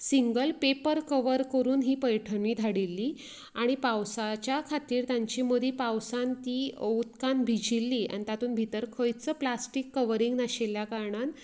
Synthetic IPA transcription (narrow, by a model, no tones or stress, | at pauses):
siŋɡəlpepəɾkəʋəɾkəɾuːnɦiːpəjʈʰəniːd̪ʱaɽilːiː | aɽ̃ipawsat͡ɕjakʰat̪iːɾt̪jaɲt͡ɕiːmod̪ʱiːpawsant̪iːut̪kanbʱid͡ʑilːiːa̰ɽ̃it̪at̪uːnbʱit̪əɾkʰəjt͡səːplasʈikːəʋəɾiŋɡnaɕeljakaɾɳan